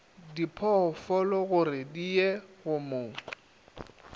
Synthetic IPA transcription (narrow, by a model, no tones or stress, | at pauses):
dipʰɔfɔlɔɣʊrɪdieɣʊmʊː